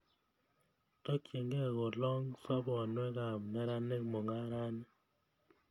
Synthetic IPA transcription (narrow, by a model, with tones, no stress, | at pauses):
tɔ˦kje˨ŋɡɛ˦˨ɣɔ˨lɔ˦ŋsa˦bɔ˨nwɛ˦ɡa˨mnɛ˦ɾa˦ne˦kmɔ˨ŋɡa˦ɾa˦n˦